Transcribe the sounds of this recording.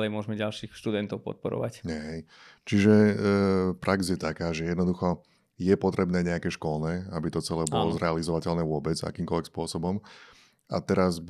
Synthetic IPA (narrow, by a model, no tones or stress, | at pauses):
lɛjmʊɔʒmɛɟalʃiːxʃt̪ud̪ɛnt̪ɔʊpɔ̰t̪̚pɔɾɔ̰ʋa̰cɲɦɛj | t͡ʃiʒɛ | pɾaɡzjɛt̪akaːʒɛjɛd̪nɔd̪uxɔ | jɛpɔt̪ɾɛbnɛːɲɛakɛːʃkɔlnɛːabit̪ɔt͡sɛlɛːbɔlɔzɾɛalizɔʋacɛlnɛːʋʊɔbɛd͡za̰kiːmkɔlʋɛkspʊɔsɔbɔm | at̪ɛɾazb